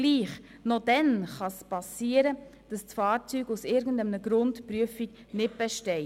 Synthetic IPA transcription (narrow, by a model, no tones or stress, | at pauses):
liːχ | nodɛnχɑspɑsiːəɾəd̥ɑst͡sfɑːɾt͡syːɡusɪɾɡən̩dɛmnəɡɾʊntpɾyəfik | nɪt̚b̥ɛʃtɛɪ